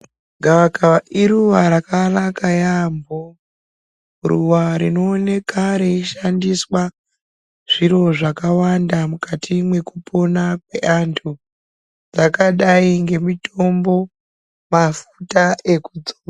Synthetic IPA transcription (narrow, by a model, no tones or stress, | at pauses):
ɡʱaʋakaʔiɾuʋaɾakanakajambo | rṵʋaɾino̞ːne̞kaɾeiʃandiswa | ʐ̥iɾo̞ʐakawandamukatʰimwe̞kupʰo̞nakwe̞ʔantʰu | d͡zakaɗaiŋɡe̞mitʰo̞mbo̞ | mafutaʔe̞kud͡zoa